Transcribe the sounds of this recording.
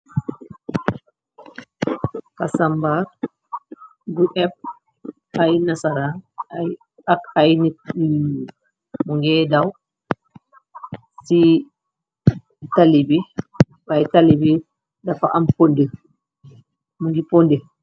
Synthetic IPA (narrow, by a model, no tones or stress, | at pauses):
kasambaɾ | ɡuʔɛb̚ | ajnasaɾanaj | akajni | muŋɡɛdaw | si | talibi | bajtalibi | dafaʔampondə | muŋɡipondɛ